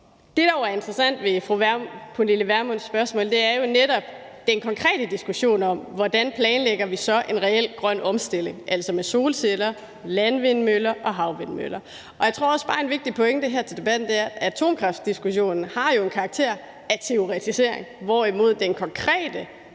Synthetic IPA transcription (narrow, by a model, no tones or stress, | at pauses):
d̥e̝ɾ̥ɑ̈joæɐe̝nd̥ʁɐsæn̰d̥ʋe̝fʁupʰunliləʋæɐmɔnsːb̥ɶɐsmɔ̰ld̥e̝æɐjo̝neɾ̥ɒ̽b̥ | d̥enkʰɒ̽ŋkʰʁɛ̰ːd̥əd̥isɡ̥uɕo̝̰ːnɒ̽m̰ʋɒd̥ænpʰlɛːnleɡ̥ɐʋisɒ̽ʔe̝nʁɛel̰ɡ̥ʁɶn̰ɒ̽msd̥e̝l̰e̝ŋʔæl̰sɒmeso̝ːlselɐ | lænʋe̝nmølɐʔɒ̽ɦɑ̈ʊʋe̝nmø̰lɐ | ʔɒ̽jäɪt͡sʰʁo̝ɐɒ̽sb̥ɑ̈ːenʋe̝ɡ̥̚d̥ipʰɔ̽eŋd̥eɦæɐt͡sʰe̝ld̥e̝b̥æd̥n̩d̥e̝æɐæt͡sʰo̝̰ːmkʰʁɑfd̥d̥isɡ̥uɕo̝̰ːnn̩hɑ̈jo̝e̝nkʰɑ̈ːɡ̥̚t͡sʰe̝ɐ̰ | æt͡sʰe̝o̝ʁɛt͡sʰise̝ɐ̰eŋʋɒimo̝ð̞̰ˠd̥enkʰɒ̽ŋkʰʁɛ̰ːd̥ə